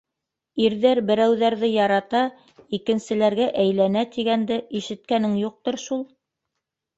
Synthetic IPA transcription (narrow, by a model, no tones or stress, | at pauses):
iɾðæɾbɘ̆ɾæwðæɾðɘjɑɾɑt̪ɑ | ikɘ̆nsɘ̆læɾɡæʔæjlænæt̪iɡænd̪ɘiʃɘ̆t̪̚kænɘŋjuq̚t̪oɾʃulˠ